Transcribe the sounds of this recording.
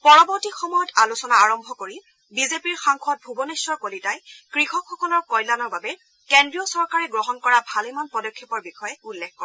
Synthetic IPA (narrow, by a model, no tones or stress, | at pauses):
pɔɹɔbɔɹtixɔmɔjɔtalusɔnaːɹɔmbʱɔkoɹi | bizepiɹxaŋxʰɔt̚bʱubɔnesɔɹkolitajkɹixɔkʰːɔkɔlɔɹkɔjlanɔɹbabɛ | kendɹijɔsɔɹkaɹɛɡɹɔɦɔnkɔɹabʱalemanpɔdɔkʰːɔpɔɹbixɔjɛulːexkɔɹɛ